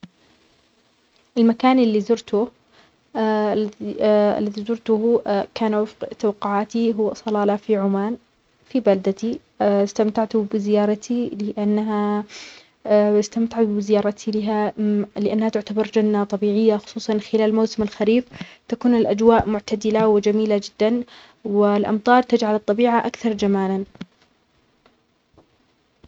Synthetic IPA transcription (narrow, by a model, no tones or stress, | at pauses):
ʔɪlmakaːnʔɪlːizʊɾt̪ʊ | a̰lːaðizʊɾt̪ʊkaːnwɪfqt̪awɑqːʊʕaːt̪iɦʊwːsˤɑlɑːlafiʕʊmaːn | fibald̪at̪i | st̪amt̪aʕt̪ʊbɪzɪjɑːɾˤɑt̪ʰilɪʔanːaɦa | ɪst̪amt̪aʕabɪzɪjɑːɾˤɑt̪ʰilɪɦalɪʔanːhat̪ʊʕt̪abɑɾˤd͡ʒanːat̪ˤɑbiːʕɪjːaxʊ̥sˤuːsˤɑnxɪlaːlmawsɪmɪlxaɾiːft̪akuːnɪlʔad͡ʒwaːʔmʊʕt̪ad̪ɪlawɪd͡ʒamiːlad͡ʒɪd̪ːan | wɪlʔɑ̰mt̪ˤɑːɾˤt̪ad͡ʒʕalɨt̪ˤːɑbiːʕaʔakθɑɾˤd͡ʒamaːlan